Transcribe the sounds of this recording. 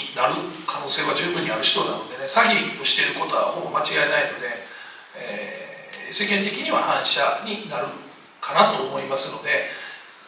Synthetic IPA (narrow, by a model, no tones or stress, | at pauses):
inaɾɯ̟kʰano̞ːse̞ːβad͡ʑɨːbɯ̟ɲ̟ːiaɾɯ̟ɕi̥t̪o̞nano̞d̪e̞ne̞saɡʲioɕi̥t̪e̞ɾɯ̟ko̞t̪oβa̰ho̞bo̞mat͡ɕiɡaenaino̞d̪e̞ | e | se̞kent̪e̞kʲiɲ̟iβahãɰ̃ɕaɲ̟inaɾɯ̟ | kʰanat̪o̞ːmo̞imasɨno̞d̪e̞